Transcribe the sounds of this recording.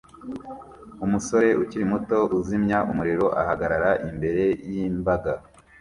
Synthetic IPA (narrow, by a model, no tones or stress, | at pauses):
umuso̞ɾe̞ʔuciɾimuto̞ʔuzimɲaʔumuɾiɾo̞ʔahaɡaɾaɾaʔimbe̞ɾe̞jimbaɡa